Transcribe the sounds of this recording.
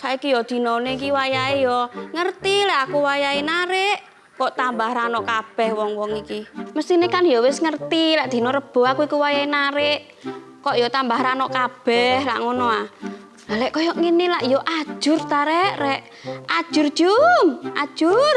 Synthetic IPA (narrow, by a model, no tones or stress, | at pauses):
saikijɔd̪̥i̤nɔneikiwajaijɔŋərt̪ilɛʔakuwajainaɾɪʔ | kɔʔt̪ambahɾanɔʔkab̥ɛhwɔŋwɔŋikiməst̪inekanjɔwɪsŋərt̪ilaʔd̪̥i̤noɾəb̥ɔ̤akuikuwajainaɾɪʔ | kɔʔjɔt̪ambahɾanɔʔkab̥ɛhla̰ʔŋonɔa | alɛʔkɔjɔʔŋenilaʔijɔʔḁʒ̥ʊrt̪aɾɛʔrɛʔ | ad̥ʒ̥ʊrd̥ʒ̥umʔḁʒ̥ʊr